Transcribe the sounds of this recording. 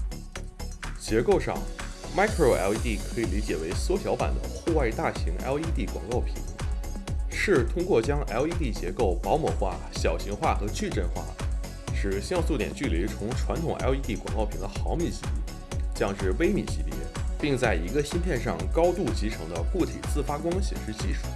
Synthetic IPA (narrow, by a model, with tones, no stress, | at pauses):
t͡ɕjɛ˧˥ko˥˧ʊʂɑ̰˥˩ŋma˥ɪkʰɹo˥˩ɛ̰˧˥li˥t̪i˥˩kʰɤ˧˥i˨˩li˧˥t͡ɕjɛ˨˩we˧˥ɪswɔ˥t̪ʰjɑ˧˥ʊpa̰˨˩nd̪ə̰˦xu˥˧wa˥˧ɪt̪a˥˩ɕi˧˥ŋɛ̰˥li˥t̪i˥˩kwɑ̰˨˩ŋkɑ˥˩ʊpʰḭ˨˩˦ŋ | ʂɻ̩˥˩t̪ʰʊ˥ŋkwɔ˥˩t͡ɕjɑ˥ŋʔɛ˥li˥t̪i˥˩t͡ɕjɛ˧˥ko˥˩ʊpɑ˧˥ʊmɔ˨˩xwa̰˥˩ | ɕjɑ˨˩ʊɕi˧˥ŋxwa˥˩xɤ˧˥t͡ɕʰy˥˧ʈ͡ʂə˥˧nxwa̰˥˩ | ʂɻ̩˨˩ɕjɑ˥˧ŋsu˥˩t̪jɛ̰˨˩nt͡ɕy˥˩li˧˥t͡sʰʊ˧˥ŋʈ͡ʂʰwa˧˥nt̪ʰʊ˨˩ŋʔɛ̰˧˥i˧˥t̪i˥˩kwɑ˨˩ŋkɑ˥˩ʊpʰi˨˩ŋd̪ə˧˦xɑ˧˥ʊmi˧˨˩ɕi˧˥pḭ˥˩ | t͡ɕjɑ˥˧ŋʂɻ̩˥˩we˥ɪmḭ˨˩ɕi˧˥p̪ḭ˥˩pi˥˧ŋt͡sa˥˩ɪi˧˥ɡə˧ɕi˥nt̪ʰjɛ˥˧nʂɑ˥˩ŋkɑ˥ʊt̪u˥˩t͡ɕi˧˥ʈ͡ʂʰɤ˧˥ŋd̪ə˧ku˥˩t̪ʰḭ˨˩t͡sɹ̩˥˩fa˥kwɑ˥ŋɕjɛ̰˨˩nʂɻ̩˥˧t͡ɕi˥˩ʂʰu̥˨˩˦